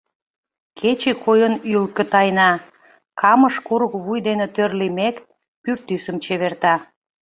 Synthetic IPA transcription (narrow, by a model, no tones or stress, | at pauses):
kʰet͡ɕekʰojənylkə̆t̪ɑjnɑ | kʰɑməʃkuɾukβujd̪enet̪ørlimek | pyrt̪ysəmt͡ɕeβert̪ɑ